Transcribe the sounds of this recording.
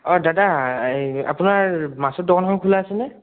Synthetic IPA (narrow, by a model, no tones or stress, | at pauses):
ɔdada | a̰punaɹmasɔt̚dɔkʰɔnkʰɔmkʰulaːsɛnɛ